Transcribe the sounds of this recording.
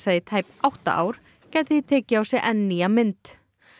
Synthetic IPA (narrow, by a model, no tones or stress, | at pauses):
saðɪt̪ʰaːjpawht̪a̰ʔa̰ːwɾ̥ | cajt̪ɪθit̪ʰɛːcɪawsjɛʔɛnːiamɪnt̪